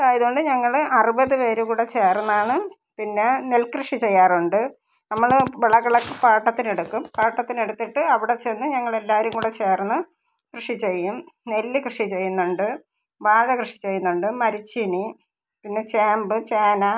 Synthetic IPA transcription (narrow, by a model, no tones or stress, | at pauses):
ɐðaːjɐðuoɳɖɨɲɐŋːɐɭɐrubɐðɨʋe̞ːɾukuːɽe̞t͡ɕeːrnːaːɳɨ | pinːe̞nelkrɨʂit͡ɕe̞jːaːruɳɖɨ | nɐmːɐɭʋeɭɐɣɐɭɐkːɨpaːʈːɐt̪ːine̞ɽukːumpaːʈːɐt̪ːine̞ɽut̪ːiʈːɨɐʋiɽe̞t͡ɕe̞nːɨɲɐŋːɐɭe̞lːaːʋɐɾumkuːɽet͡ɕeːrnːɨ | krɨʂit͡ɕe̞jːumne̞lːɨkrɨʂit͡ɕe̞jːunːuɳɖɨ | ʋaːɻɐkrɨʂi̥t͡ɕe̞jːunːuɳɖɨmɐɾit͡ɕːini | pinːe̞t͡ɕaːmbɨt͡ɕeːnɐ